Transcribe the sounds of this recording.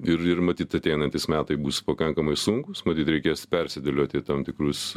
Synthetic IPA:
ɪɾɪrmɐt̪ʲiːt̪ɐt̪ʲɛɪnɐnʲt̪ʲɪsmʲæːt̪ɐɪbuːspɐkɐŋkɐmɐɪsʊŋkʊsmɐt̪ʲiːt̪ɾʲɛɪkʲeːspʲɛɾʲsʲɪd̪ʲɛlʲoːt̪ʲɪt̪ɐmt̪ʲɪkrʊs

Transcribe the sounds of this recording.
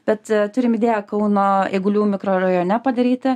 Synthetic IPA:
b̥ʲɛt̪t̪ʊɾʲɪmɪd̪ʲeːjɛkɐʊnoːeːɡʊlʲuːmʲɪkɾoːɾɐjoːnʲɛpɐd̪ɐɾʲiːt̪ʲɪ

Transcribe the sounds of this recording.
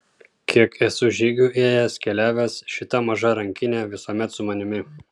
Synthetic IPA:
kʲʰiɛkɛsʊʒʲiːɡʲuːˑʔeːjɛskʲɛlʲæːʋʲɛsʃʲɪt̪ɐmɐʒɐɾɐŋʲkʲɪnʲeːʋʲɪsoːmʲɛt̪sʊmɐnʲɪmʲɪ

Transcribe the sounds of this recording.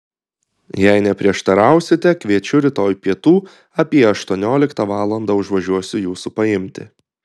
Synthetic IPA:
jɛɪnʲɛpʲɾʲiɛʃt̪ɐɾɑˑʊsʲɪt̪ʲɛkʋʲiɛt͡ʃʲʊɾʲɪt̪oːjpʲiɛt̪uː | ɐpʲiɛɐʃt̪uɔnʲoːlʲɪkt̪ɑʋɑːlˠɐnd̪ɐʊʒʋɐʒʲuɔsʲʊjuːsupɐɪmʲt̪ʲɪ̰

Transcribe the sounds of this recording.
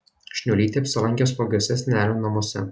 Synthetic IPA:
ʃʲnʲulʲiːt̪ʲiɐpʲsʲɪlˠɐŋʲkʲoːspoɡʲoɔsʲɛsʲnʲæːlʲonnɐmɔsʲɛ̰

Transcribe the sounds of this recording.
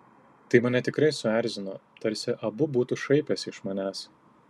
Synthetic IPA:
t̪ɐɪmɐnʲɛt̪ʲɪkɾɐɪsʊæˑɾʲzʲɪnoːt̪ɐɾʲsʲɪʔɐbʊbuːt̪uʃɐɪpʲɛsʲɪʃmɐnʲæːs

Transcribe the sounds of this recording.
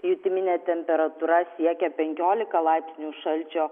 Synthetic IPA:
jut̪ʲɪmʲɪnʲeːt̪ʲɛmʲpʲɛɾɐt̪uːɾɐsʲiɛkʲɛpʲɛŋʲkʲoːlʲɪkɐlˠɐɪpʲsʲnʲuːʃɐlʲt͡ʃʲoː

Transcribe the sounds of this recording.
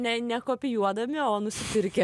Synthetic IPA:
nʲɛnʲɛkoːpʲɪjuɔd̪ɐmʲɪoːnʊsʲɪpʲɪɾʲkʲɛ

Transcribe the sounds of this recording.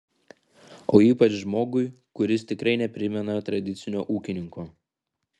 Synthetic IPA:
oːiːpɐt͡ʃʒmoːɡʊɪ | kʊɾʲɪst̪ʲɪkɾɐɪnʲɛpʲɾʲɪmʲɛnɐt̪ɾɐd̪ʲɪt̪sʲɪnʲoːʔuːkʲɪnʲɪŋkoː

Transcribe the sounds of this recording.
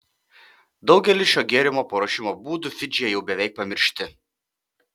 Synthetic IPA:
d̪ɒʊɡʲɛlʲɪʃʲoːɡʲeɛɾʲɪmoːpɐɾoːʃʲɪmoːbuːd̪ʊfʲɪd͡ʒʲɪjɛjɛʊbʲɛʋʲɛɪk̚pɐmʲɪɾʲʃʲt̪ʲɪ

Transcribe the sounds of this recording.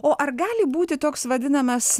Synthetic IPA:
oːʔɐrɡɑːlʲɪbuːt̪ʲɪt̪oːksʋɐd̪ʲɪnɐmɐs

